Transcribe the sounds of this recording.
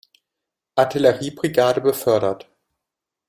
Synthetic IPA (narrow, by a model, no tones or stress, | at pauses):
ʔatʰɪləʁiːbʁiɡaːdəbəfœɐɾɐt